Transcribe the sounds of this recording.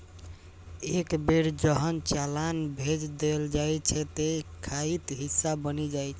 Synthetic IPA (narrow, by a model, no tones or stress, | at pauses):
ekbeɾd͡ʒəɦənt͡ʃalanbʱed͡ʒd̪eld͡ʒajt͡ʃʰɛt̪ekʰait̪ɦisːabənid͡ʒajt͡ʃʰɛ